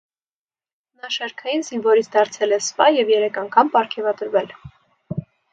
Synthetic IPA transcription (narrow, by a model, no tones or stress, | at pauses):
nɑʃɛɾkʰɑjinzinvɔɾit͡sʰd̪ɑɾt͡sʰɛlɛspɑjɛvjɛɾɛkʰɑŋkʰɑmpɑɾkʰɛvɑd̪əɾvɛl